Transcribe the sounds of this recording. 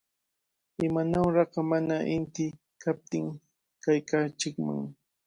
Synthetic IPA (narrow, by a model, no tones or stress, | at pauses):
ɪmanawɾɑqɑmanaʔɪnt̪ɪ | kap̚t̪ɪŋ | kajkat͡ʃɪkma̰ŋ